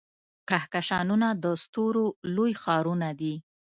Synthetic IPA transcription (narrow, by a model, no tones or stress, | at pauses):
kahkaʃɑnunad̪əst̪oɾolojxɑɾunad̪i